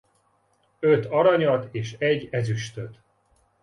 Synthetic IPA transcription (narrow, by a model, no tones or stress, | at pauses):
øt̪ɒɾɒɲɒt̪eːʃɛɟːɛzyʃt̪øt̪